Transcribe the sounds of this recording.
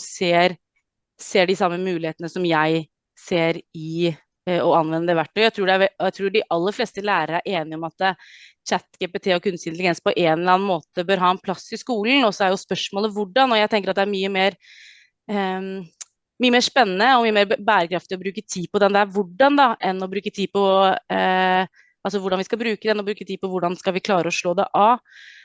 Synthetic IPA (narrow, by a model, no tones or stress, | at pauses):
seːɾ | seːɖɪsɑmːəmʉːlɪheːt̪ənəsɔmjæɪ | seːɾɪ | ɔɑnːʋɛnːəd̪ɛʋæʈːɔjæɪt̪ʰɾuːɖɛæjæɪt̪ʰɾuːɖɪʔɑlːəfleːst̪əlæːɾəɾəæɾʔeːnɪɔmɑt̪ | t͡ʃæt̪ːɡ̥eːpɛt̪ʰeːɔkʰʉnsɪnt̪lɪɡɛnspɔʔeːnəlɑːn̩moːt̪əbøːɾɦɑːɛnpʰlɑsɪskuːln̩ɔsɔæɾjʊspœʂmoːləʋʊɖːɑnɔjæɪt̪ʰɛŋkəɾɑt̪d̪ɛæɾmyːəmeːɾ | myːəmeːʂpɛnːənəɔmyːəmeːɾbæːɾəkɾɑft̪ɪɔbɾʉːkət̪ʰiːpɔd̪ɛnd̪ɛæɾʋʊɖːɑnd̪ɑʔɛnːɔbɾʉːkət̪ʰiːpʰɔ | ɑls̬ɔʋʊɖɑnʋɪskɑbɾʉːkəd̪ɛnɔbɾʉːkət̪ʰiːpɔʋʊɖɑnskɑlʋɪkʰlɑːɾəɔʂɭoːd̪ɛ̰ʔɑ